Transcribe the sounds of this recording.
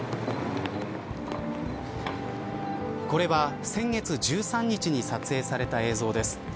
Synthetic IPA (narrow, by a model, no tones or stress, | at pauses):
ko̞ɾe̞βasẽ̞ŋɡe̞t͡sɨʑɨːsãɲ̟ːit͡ɕiɲ̟isat͡sɨe̞ːsaɾe̞t̪ae̞ːzo̞ːd̪e̞sɨ̥